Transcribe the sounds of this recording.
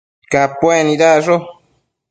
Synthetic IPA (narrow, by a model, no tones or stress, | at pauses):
kapːwɛniɾaso